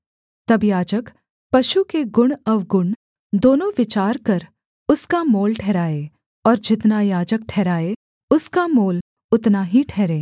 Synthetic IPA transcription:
t̪ɐbjaːd͡ʒək | pɐʃukeɡʊɳ̃ɐʋɡʊɳ | d̪oːnõʋɪt͡ʃaːɾkɐɾ | ʊskamoːlʈʰɛːɾaːeː | ɔːɾd͡ʒɪt̪najaːd͡ʒək̚ʈʰɛːɾaːe | ʊskamoːl | ʊt̪naɦiʈʰɛːɾẽː

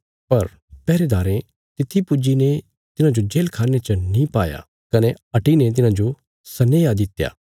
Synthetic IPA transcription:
pɐɾ | pɛːɾed̪aːɾẽ | t̪ɪt̪ʰːipʊd͡ʒine | t̪ɪnãd͡ʒod͡ʒeːlkʰaːnet͡ʃənĩpaːja̰ | kɐne | ɐʈinet̪̬ɪnãd͡ʒo | sɐnejad̪ɪt̪ja̰ː

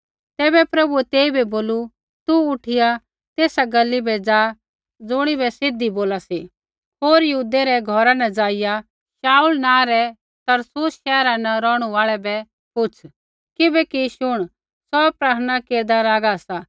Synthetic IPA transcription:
t̪ɛːbɛpɾɐbuɛt̪eːibɛboːlu | t̪uʊʈʰɪja | t̪eːsaɡɐlːibɛd͡zaː | d͡zʊɽ̃ibɛsɪd̪iboːlasi | ɦoːɾjɐɦud̪eɾɛɡʱɔɾanɛd͡zaːɪja | ʃaːulnãːɾɛ | t̪ɐɾsʊsʃɛːɾanɐɾɔːɽ̃uaːɭɛbɛ | kʊt͡sʰ | kɪbɛkiʃʊɽ̃ | sɔpɾaːɾñakeːɾd̪alaːɡasaː

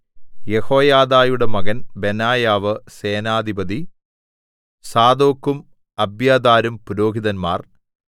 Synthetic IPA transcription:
jeho̞ːjaːd̪aːjuɽemɐɡɐnbe̞naːjaːʋɨseːnaːd̪ʱibɐd̪i | saːd̪oːkːum | ɐbjaːd̪aːɾumpuɾo̞ːɡiðɐnma̰ːr

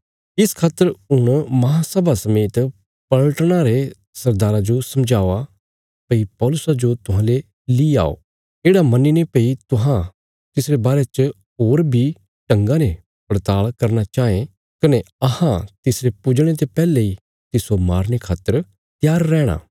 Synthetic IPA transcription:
ɪskʰaːt̪ːəɾʊɽ̃mɐɦãsəbʱasɐmeːt̪ | pɐɭʈɽ̃aɾe | sɐɾd̪aːɾad͡ʒosɐmd͡ʒaːoa | pɐipɔːlʊsad͡ʒot̪ʊɦãːle | lia̰ːo̰ː | eːɽamɐninepeit̪ʊɦã | t̪ɪsɾebaːɾet͡ʃ | ɦoːɾbʱi | ʈɐ̃ŋɡãne | pɾt̪aːɭkɐɾnat͡ʃaːẽ | kɐneɐhãt̪ɪsɾepʊd͡ʒɽ̃et̪̬epɛːlei | t̪ɪsomaːɾñekʰaːt̪ːəɾ | t̪jaːɾːɛːɽ̃a̰ː

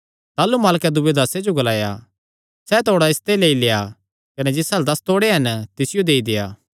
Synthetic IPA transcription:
t̪aːlumaːlkɛd̪ʊbed̪aːsed͡ʒoɡɐlaːja̰ | sɛt̪ʰoːɽaɪst̪eleːileːja | kɐnɛd͡ʒɪsɐld̪ɐst̪oːɽeɦɐnt̪ɪsɪjod̪eːid̪ɪja̰ː

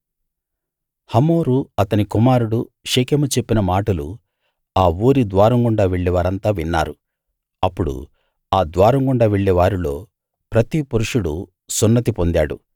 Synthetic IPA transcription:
hɐmoːɾuɐt̪ɐnikumaːɾuɽuʂeːkemut͡ʃe̞pːinɐmaːʈɐlṵ | aːuːɾid̪ʋaːɾɐŋɡuɳɖaːʋeɭːɛʋaːɾɐnt̪aːʋinːa̰ːɾu | ɐpːuɽṵ | aːd̪ʋaːɾɐŋɡuɳɖaːʋeɭːɛʋaːɾulo̞ː | pɾɐt̪ipuɾuʂuɽṵ | sunːɐt̪ipo̞nd̪aːɽṵ

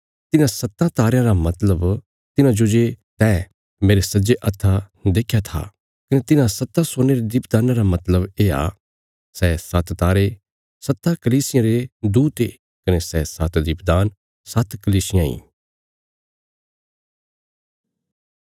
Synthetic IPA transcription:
t̪ɪnãsɐt̪ːãt̪aːɾɪjãɾamɐt̪ləb | t̪ɪnãd͡ʒod͡ʒet̪ɛː | meːɾesɐd͡ʒeʔɐt̪ʰːa | d̪eːkʰjat̪ʰa̰ | kɐnet̪ɪnãsɐt̪ːasoːneɾed̪iːpd̪aːnãɾamɐt̪ləbeːa̰ | sɛːsɐt̪t̪aːɾe | sɐt̪ːakɐliːsɪjãɾed̪uːt̪ḛː | kɐnesɛːsɐt̪d̪iːpd̪aːn | sɐt̪kɐliːsɪjãḭ̃ː

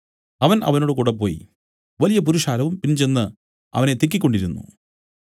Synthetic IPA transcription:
ɐʋɐnʔɐ̰ʋɐno̞ːɽɨkuːɽepːo̞ːjḭ | ʋɐlijɐp̬uɾuʂaːlɐʋumpinːt͡ɕe̞nːɨ | ɐ̰ʋɐne̞t̪ik̬ːikʲːo̞ɳɖiɾunːṵ

